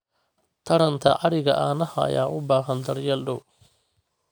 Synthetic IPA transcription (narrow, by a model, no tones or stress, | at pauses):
t̪ʰɐɽɐnt̪ʰɐʕɑɽɪɣɐ̰ʔaːnɐɦɐɐ̰jaːʔʊbaːɦɐnd̪ɐrjɐlɖʊw